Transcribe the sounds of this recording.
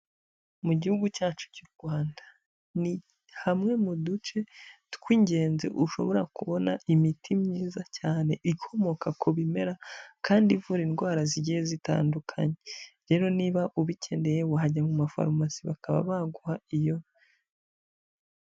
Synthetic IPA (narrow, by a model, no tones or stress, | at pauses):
muɟihuɡucaːt͡ʃu̥cuɾɡwaːndḁ | ni | hamŋe̞mudut͡ʃe̞tkwiːɲɟe̞ːnzḛʔuʃo̞̰βo̞ɾakuβo̞naimitʰimɲiːzacaːne̞ʔikʰo̞mo̞kakʰoβime̞ɾakaːndiɱvuɾinɡwaːɾaziɟijezita̰ːndukʰa̰ɲeɾe̞ːɾo̞niːβaʔuβicʰe̞ndejewaɦaɟamumafa̰ɾmasiβakaβa̰βaɡuhaijo̞